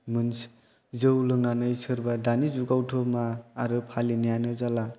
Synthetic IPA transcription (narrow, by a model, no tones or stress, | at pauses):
mɯns | zɯwlɯŋnanɯjsɯɾbadanizuɡawtʰomaːɾɯpʰalinijanɯzala